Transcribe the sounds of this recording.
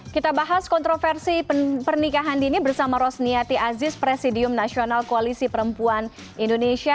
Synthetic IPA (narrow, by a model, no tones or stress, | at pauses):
kit̪abaɦaskɔnt̪ɾofɛrsipərnikaɦaninibərsamaɾɔsniat̪iʔazɪspɾesidiʊmnasionalkoalisipəɾəmpuan | indoneʃia